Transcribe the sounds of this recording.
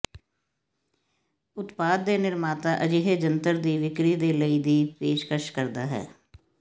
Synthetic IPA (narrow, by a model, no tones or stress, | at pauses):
ʊt̪paːd̪̚ːeːnɪɾmaːt̪aːʔəd͡ʒiɦed͡ʒənt̪əɾd̪iːʋɪkɾiːd̪eːləid̪iːpeːʃkəʃkəɾd̪aːɦɛ̰ː